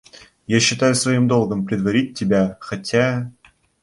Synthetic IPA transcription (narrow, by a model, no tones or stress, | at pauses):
jaɕːɪt̪ajʊsvɐjimd̪olˠɡɤ̆mpɾʲɪd̪vɐɾʲit̚ʲtʲːɪbʲæxatʲʰæ